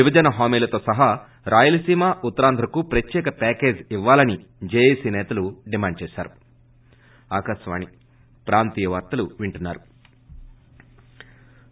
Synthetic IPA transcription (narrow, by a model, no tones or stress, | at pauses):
ibɐd͡ʒɐnɐɦaːmiːlɐt̪o̞ːsɐɦaː | ɾʔaːjulɐsiːmaːʔut̪ːɐɾaːnd̪ʱɾɐkupɾɐt̪jɛːkɐpɛːke̞ːd͡ʒiʋːaːlɐnid͡ʒeːjeːsiːnɛːt̪ɐluɖimaːɳɖ̚t͡ʃɛːsa̰ːɾu | aːkaʃɐʋa̰ːni | pɾaːnt̪ijɐʋɐɾt̪ɐluʋiɳʈunːaːɾu